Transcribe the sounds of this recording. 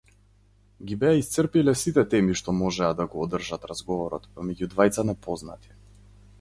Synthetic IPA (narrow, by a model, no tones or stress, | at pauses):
ɡibɛaist̪sərpilɛsit̪ɛt̪ɛmiʃt̪ɔmɔʒɛad̪aɡɔːd̪r̩ʒat̪ɾazɡɔvɔɾɔ̰t̪pɔmɛɟud̪vajt̪sanɛpɔzna̰t̪i̥